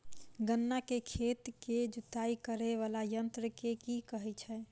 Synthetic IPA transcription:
ɡənːakekʰet̪ked͡ʒut̪aikəɾeʋalajənt̪ɾəkekikəɦɛt͡ʃʰɛ

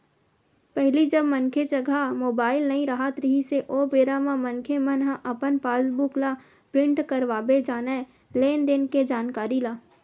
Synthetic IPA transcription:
pɛɦlid͡ʒɐbmɐnkʰet͡ʃɐɡʱamoːbaːɪlnɐɦĩɾɐɦat̪ɾəɦiseʔoːbeːɾamãmɐnkʰemənɦaʔɐpənpaːzbukla | pɾɪ̃ɳʈkɐɾʋaːbed͡ʒaːne | leːnd̪eːnked͡ʒaːnkaːɾilaː

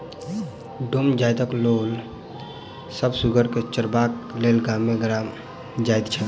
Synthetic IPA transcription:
ɖomd͡ʒajt̪əklol | səbsuɡʱəɾket͡ʃəɾbaklelɡamːeɡɾam | d͡ʒajt̪t͡ʃʰɛ

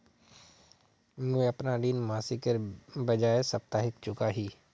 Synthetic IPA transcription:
mũẽɐpnaɗiːnmaːsikəɾbɐd͡ʒaːesɐp̚t̪aːɦɪkt͡ʃʊkaɦiː

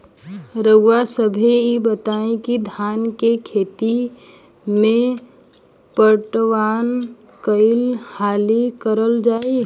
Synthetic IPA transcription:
ɾəɡwasəbʱiibət̪aẽkid̪ʱaːnkekʰeːt̪i | mẽ | pəʈʋaːn | kəɪlhaːlikəɾəld͡ʒaːe

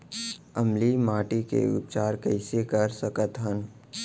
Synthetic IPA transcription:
ɐmlimaːʈikḛʊ̰p̚t͡ʃaːɾkəɪsekəɾsəkət̪ɦən

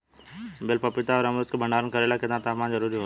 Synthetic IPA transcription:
bɪlpəpɪt̪aɔːɾəmɾut̪kʰebʱəɳaːɾənkəɾeːlaked̪ãt̪aːmãnzəɾuːɾiɦo

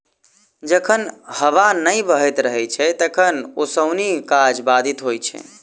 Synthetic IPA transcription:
d͡ʒəkʰənhəʋanəjbəɦɛt̪ɾəɦɛt͡ʃʰɛt̪əkʰənosəʊnikad͡ʒbad̪ʱit̪ɦojt͡ʃʰɛ̰

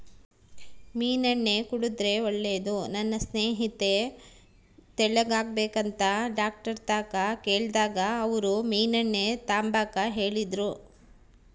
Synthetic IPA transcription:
miːnɐɳːe̞kuɽud̪ɾe̞oɭːe̞ːd̪unɐnːɐsneːɦit̪e̞ | t̪ɛɭɐɡaːɡbeːkɐnt̪ɐɖaːk̚ʈɐɾt̪aːkakeːɭd̪aːɡɐːʋɐɾumiːnɐɳːet̪aːmbaːkɐɦe̞ːɭid̪ɾu

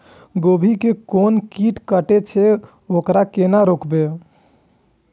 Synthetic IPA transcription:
ɡobʱikekonkiʈkəʈet͡ʃʰɛ | okɾakenaɾokbe

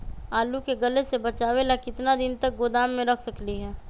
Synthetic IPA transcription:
aːlukeɡɐlesebɐt͡ʃaːʋelakɪt̪nad̪ɪnt̪ɐk̚ɡod̪aːmːẽɾɐkʰsɐkliɦɛː

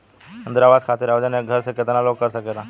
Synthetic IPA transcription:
ənd̪əɾaʋaskʰat̪iɾaʋd͡ʒaneɡʱəɾsekət̪analoɡ̚kːəɾsəket̪a

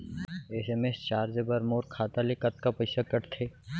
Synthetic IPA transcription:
eːsemest͡ʃaːɾd͡ʒebɐɾmoːɾkʰaːt̪alekɐt̪̚kapɐɪsakɐʈt̪ʰeː

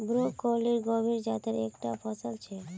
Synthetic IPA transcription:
bɾokoliɾɡɔbʱiɾd͡ʑat̪eɾekʈafɔsalt͡ɕʰe

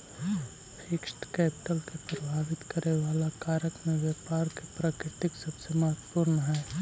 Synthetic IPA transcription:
ɪkʃʈ̪kɛːpɪʈəlkepɾəbʱaːʋɪt̪kəɾeʋaːlakaːɾəkmẽʋjɛːpaːɾkepɾaːkɾɪt̪ɪksɐbsemɐɦət̪pʊɾnɦɛː

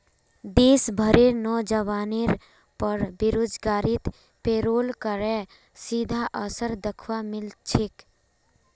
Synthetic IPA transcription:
d̪eːsbʱəɾenɔːd͡ʒəʋaːniɾ | pəɾbɪɾoːd͡ʒɡaːɾɪt̪ | peːɾoːlkəɾɛ | sid̪ʱaʔəsəɾd̪əkʰʋamɪlt͡ʃʰɪk

